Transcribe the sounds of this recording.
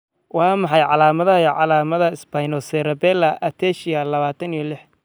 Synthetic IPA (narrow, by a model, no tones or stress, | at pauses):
wɑːmɑħɑjʕɑlaːmɐðɐʕɑlaːmɐðɐɪsbajnɔsɛɾɐbɛːlɐʔɐt̪ʰɛʃɪjɐlɐβaːt̪ʰɐnijɔlɪħ